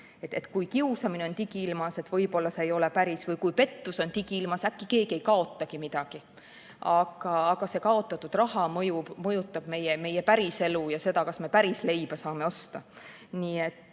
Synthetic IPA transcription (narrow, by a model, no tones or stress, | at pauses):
et̪ːet̪ˑkujkiusɑmineo̞nt̪iɡ̥iilmɑse̞t̪vɤ̞jbo̞lːɑseejo̞le̞pæɾisvɤjkujpe̞t̪ːuso̞nt̪iɡiilmɑsækːike̞ːɡie̞jkɑo̞t̪ːˑɑɡ̥imid̪̥ɑɡ̥i | ʔɑɡ̥ɑːɡ̥ɑse̞kɑo̞t̪ːˑɑt̪ːˑud̪̥rɑhɑmɤjubmɤjut̪ˑːɑb̥me̞jeme̞jepæɾise̞lujɑse̞d̪ɑkɑsme̞pæɾisle̞jb̥ɑsɑːme̞o̞st̪ɑ | niːe̞t̪ːˑ